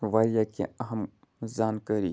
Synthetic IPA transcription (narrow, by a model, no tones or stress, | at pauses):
ʋaːɾjakḛɐɦɐm | zaːnkəɾi